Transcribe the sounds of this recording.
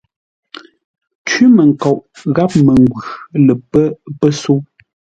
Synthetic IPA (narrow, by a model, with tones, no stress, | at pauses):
t͡ʃɥi˦mə˨ŋ̩˨kɔ˨ʔɣa˦p̚mə˨ŋ˨ɡwʉ˨lə˨pə˦pə˦so˦